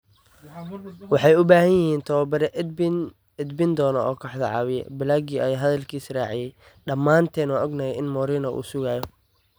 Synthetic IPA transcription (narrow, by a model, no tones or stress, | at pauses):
wɑħɑjʊbaːhɐnjɪhiːnt̪ʰɐwɐbɐɾɛ | ɛd̪bɪnd̪ɔːnɐʔɔːkʰɐħd̪ɐʕɑːβɪjɛ̰bɪlaːɡiɐjaːɦɐðɐlkʰiːsraːʕɪjɛj | ɖɐmːaːnt̪ʰɛːnɔʔɔɡnɐjɛɪnmɔːɾɪːnɐʔṵːsʊɣaːjɔ